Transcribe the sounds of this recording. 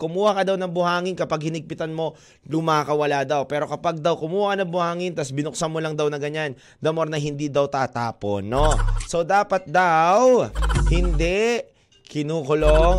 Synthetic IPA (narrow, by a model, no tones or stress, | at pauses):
kʊmuːhɐkɐd̪ɐwnɐŋbʊhaːŋɪnkɐpaɡ̚hɪnɪɡ̚pɪt̪ɐnmo̞ | lʊmaːkɐwɐlad̪ɐwpɛːɾo̞kɐpaɡ̚d̪ɐwkʊmuːhakɐnɐŋbʊhaːŋɪnt̪ɐsbɪnʊksɐmolɐŋd̪ɐwnɐɡɐɲan | d̪ɐmoɾnɐɦɪnd̪id̪ɐwt̪aːt̪aːpo̰nːo̞so̞d̪aːpɐt̪̚d̪awhɪnd̪ɛʔ | kɪnuːkʊlo